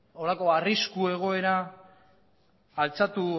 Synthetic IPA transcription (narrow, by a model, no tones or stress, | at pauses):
o̞lako̞ariskue̞ɣ̞o̞e̞ɾa | lt͡sat̪u